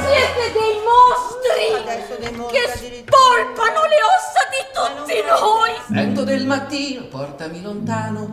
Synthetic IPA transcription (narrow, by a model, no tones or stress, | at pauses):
sjɛːt̪ed̪ejmɔst̪ɾi | kes | pɔlt̪anoleɔsːad̪it̪ut̪ːinoːjvɛnt̪od̪elmat̪ːiːnopɔrt̪amilont̪aːno